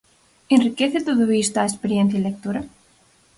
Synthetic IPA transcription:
enrikeθet̪oðuβist̪oaespeɾjenθjailek̚t̪uɾa

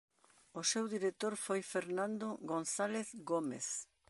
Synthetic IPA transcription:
osewðiɾet̪oɾfojfeɾnãnd̪oɣonθaleθɡomḛθ

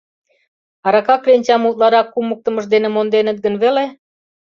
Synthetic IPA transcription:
ɑɾɑkɑkːrenʲt͡ɕɑmult̪lɑɾɑkːumək̚t̪ə̆məʒd̪enemond̪enə̆t̪̚ɡə̆nβele

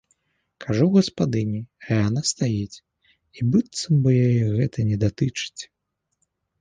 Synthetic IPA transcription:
kʰaʐuɣɐspad̪ɨnʲianast̪ajit͡sʲ | ibɨt̪sɐmbɨjajɛɣɛt̪ɐnʲɛd̪at̪ɨt͡ʂɨ̥t͡sʲ

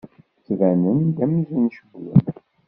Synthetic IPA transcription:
t͡sːvænənd̪æmizənʃəbwə̰n

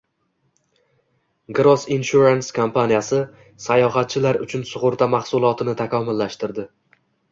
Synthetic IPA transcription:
ɡɾɒsinʃuɾanskʰompʰanijasɪ | sajɒɦat̪̚t͡ʃʰɪlaɾʊ̰t͡ʃʰʊnsʊʁʊɾt̪ʰamaχsʊlˠɒt̪ʰɪnɪt̪ʰakʰɒmɪlːaʃt̪ɪɾd̪ɪ

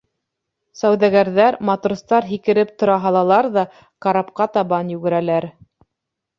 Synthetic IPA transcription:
sæwðæɣæɾðæɾmɑt̪rust̪ɑɾɦikɘ̆ɾɘp̚t̪ŏɾɑɦɑlˠɑlˠɑɾðɑ | qɑɾɑpqɑt̪ɑβɑnjʉɡɘ̆ɾælæɾ

